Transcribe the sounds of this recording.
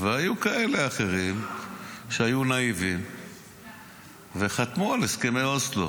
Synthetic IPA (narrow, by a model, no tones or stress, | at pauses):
veajukae̞le̞aχe̞ʁim | ʃeajunaivim | ve̞χat̪mualeskemejoslo̰